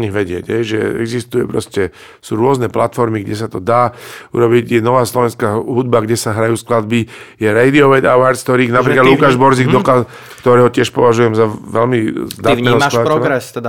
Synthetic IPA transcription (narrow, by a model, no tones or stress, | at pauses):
ɲiɣʋɛɟɪɛ̰ɟɦɛjʒɛ̰ɛ̰ɡzist̪ujɛpɾɔscɛ | suːɾʊɔznɛplat̪fɔɾmiɡɟɛs̬at̪ɔd̪aːṵɾɔbiɟjɛnɔʋaːslɔʋɛnskaːɦud̪̚baɡɟɛsaɦɾajuːsklad̪̚bijɛɾɛjd̪iɔʋɛd̪awaɾkt̪ɔɾiːnapɾiklad̪lukkaːʒbɔɾziːɡd̪ɔka | kt̪ɔɾɛːɦɔcɪɛʃpɔʋaʒujɛmzaʋɛlmizd̪aat̪nɛːɦɔslad̪aɾɛlaɛst̪ɛd̪a